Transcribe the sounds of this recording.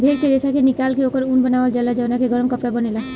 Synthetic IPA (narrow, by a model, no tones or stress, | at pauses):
bʱeɾkeɾesakenikalkeokəɾunbənaʋəld͡ʒalad͡ʒɔnakeɡɔɾɔmkɔpɾabɔnilɔ